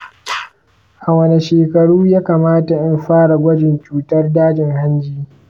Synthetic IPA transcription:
ʔa˨wɐ˦˨ne˨ʃeː˨kɐ˨ɽuː˦jaː˦kaː˨maː˦ta˨ʔɪ˦mɸaː˦ɽa˨ɡʷɐ˦d͡ʒɪ˨nt͡ʃuː˨tɐ˦rdaː˦d͡ʒɪ˨ŋha˦nd͡ʒiː˦

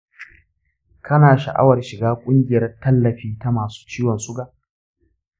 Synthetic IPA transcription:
kʰɐ˦naː˨ʃɐ̰˨ʔa̰˦wɐ˨rʃɪ˨ɡaː˦kʷʼʊ˦ŋɡʲɪ˨jɐ˦rtɐ˦lːɐ˨ɸiː˦ta˦maː˨su̥ː˦t͡ʃiː˦wɐ˨nsʊ˦ɡaː˨ʔ

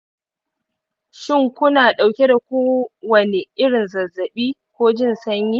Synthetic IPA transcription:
ʃɪ˦˨ŋkʷʊ˦naː˨ɗa˨wkʲe˦da˨kʷoː˦wɐ˨ne˨ʔɪ˦ɽɪ˨nzɐ˨zːɐ˨ɓiː˦kʷoː˦d͡ʒɪ˦˨nsɐ˦ɲjiː˦

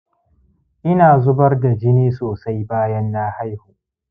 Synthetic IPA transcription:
ʔɪ˦naː˨zʊ˦bɐ˦rda˨d͡ʒɪ˦niː˦soː˨sa˦jbaː˦jɐ˦nːaː˦ha˦jhuː˨

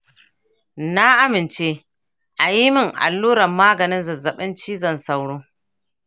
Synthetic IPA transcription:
na˦ʔa˦mɪ˨nt͡ʃeː˦ | ʔa˨ji˦mɪ˦˨ŋʔa̰˨lːuː˦ɽɐ˨mːaː˦ɡɐ˨nɪ˦nzɐ˨zɐ˨ɓɪ˦nt͡ʃiː˦zɐ˨nsa˦˨wɽoː˦

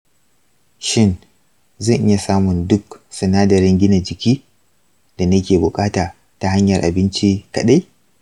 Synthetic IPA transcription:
ʃɪ˦n | zɐ˦˨ŋʔɪ̰˦ja˨saː˦mʊ˨ndʊ˦ksɐ˨naː˦dɐ˨ɾɪ˦ŋɡʲɪ˦na˨d͡ʒɪ˨kʲiː˦ | d̥a˨nɐ˦kʲeː˨bʊ˨kʼaː˦taː˨ | ta˨ha˦ɲjɐ˨rʔa̰˨bɪ˦nt͡ʃi˦kɐ˨ɗa˦j

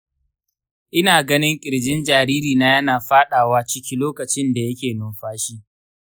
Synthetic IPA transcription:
ʔɪ˦naː˨ɡɐ˦nɪ˦ŋkʲʼɪ˨ɽd͡ʒɪ˦nd͡ʒaː˨ɾiː˦ɾiː˨naː˦jɐ˦naː˨ɸaː˦ɗaː˨waː˦t͡ʃɪ˦kʲi˦loː˦kɐ˨t͡ʃɪ˦nda˨jɐ˦kʲeː˨nʊː˨mɸaː˦ʃi˦ʔ

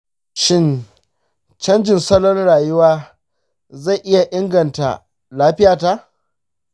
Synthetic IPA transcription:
ʃɪ˦n | t͡ʃɐ˦nd͡ʒɪ˨nsɐ˦lɔ˦nɽaː˨jʊ˦waː˦ | za˦˨jʔɪ˦ja˨ʔɪ˦ŋɡɐ˨nta̰˨ | laː˦ɸɪ˦jaː˨ta˦ʔ

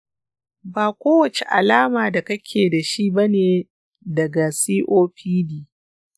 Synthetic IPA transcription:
baː˨kʷoː˦wɐ˨t͡ʃe˨ʔa̰˨laː˦maː˨da˨kɐ˦kʲʰeː˨da˨ʃi˦bɐ˦neː˨ | dɐ˨ɡa˨siː˦ʔoː˦ɸiː˦diː˨

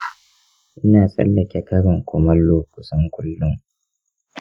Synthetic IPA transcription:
ʔɪ˦naː˨sʼɐ̰˦lːɐ˨kʲɛ˨kɐ˦ɾɪ˨ŋkʷʊ˨mɐ˦lːoː˦kʊ˨sɐ˦ŋkʷʊ˦lːʊ˦ŋ

